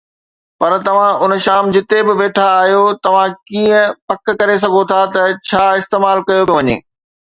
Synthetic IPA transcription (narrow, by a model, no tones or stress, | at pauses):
pɐɾt̪ɐʋ̤ãʔʊnʃaːmd͡ʑɪt̪ebɪʋeːʈʰaːɦijot̪ɐʋ̤ãkiːə̃pɐkkɐɾes̬ɐɡʱot̪ʰat̪ɐt͡ɕʰaːɪst̪eːmaːlkɐjobjoʋɐɲḛː